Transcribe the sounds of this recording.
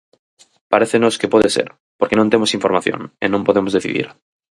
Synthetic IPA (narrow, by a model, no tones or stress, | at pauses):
paɾeθeno̞skepweðesḛɾ | poɾkenõnt̪emosiɱfo̞ɾmaθjo̰nḛnõmpo̞ðemozðeθḭðḭɾ